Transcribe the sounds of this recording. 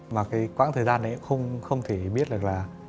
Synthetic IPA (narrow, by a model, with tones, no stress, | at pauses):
maː˨˩kaː˨˦jkwaː˧˥ŋt̪ʰəː˨˩jzaː˧n̰ː˨˦˧xə˧wŋ͡mxə˧wŋ͡mt̪ʰe˧˩ɓi˦˥ət̚ɗɨ˨˩ək̚laː˨˩